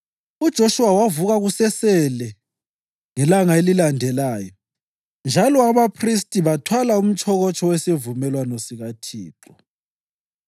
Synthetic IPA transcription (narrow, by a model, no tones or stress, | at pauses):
ud̥ʒ̥ʱoʃuwawavuɣaɣusɛsɛlɛ | ŋɛlaŋaelilandʱɛlaːjɔ | nd͡ʒʱalɔaβapʰris̬tʼiβatʰwalaum̩t͡ʃʼʰɔɣɔt͡ʃʼɔwɛsevumɛlwanɔsiɣatʰiːǁɔ